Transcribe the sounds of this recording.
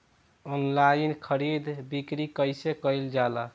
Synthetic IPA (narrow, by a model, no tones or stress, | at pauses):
ɔnlainkʰəɾid̪ʱbikɾikəjsekəjld͡ʒala